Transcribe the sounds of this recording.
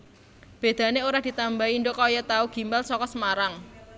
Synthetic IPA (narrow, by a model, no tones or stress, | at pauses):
b̥e̤d̪̥ä̤neoɾad̪̥i̤t̪ambaindokɔjɔt̪auɡ̥i̤mbalsɔkɔsəmaɾaŋ